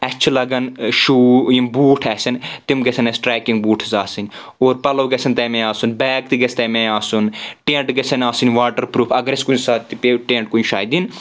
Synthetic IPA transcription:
ɛt͡ʃʰlɐɡɐnʃuːjimbuːʈʰɛsʲɐnt̪imɡɐsʰɐnɛsʈɾɛːkĩŋɡbuːʈʰzaːsinʲ | oːɾpɐloːɡɐsʰɐnt̪ɛmẽaːsunbɛːk̚t̪iɡɐst̪ɛmẽaːsunʈẽːɳʈɡɐsɐnʲaːsɨnʲʋaːʈəɾpɾuːpʰɐɡɐɾeskunsaːt̪ipeʈẽːɳʈ̚kunʃaːjd̪in

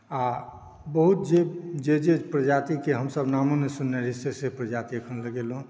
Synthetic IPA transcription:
a | bəɦut̪̚d͡ʒed͡ʒed͡ʒepɾəd͡ʒat̪ikeɦəmsəbnaːmõnesʊnːeɾisːesepɾəd͡ʒat̪iəkʰənləɡelũ

